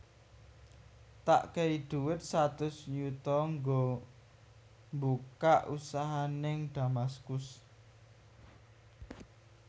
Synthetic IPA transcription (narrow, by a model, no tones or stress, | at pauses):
t̪a̰ʔkeid̪̥uwɪt̪̚sat̪ʊsɲut̪ɔŋɡo | mbukaʔusaɦanɪŋd̪̥amaskʊs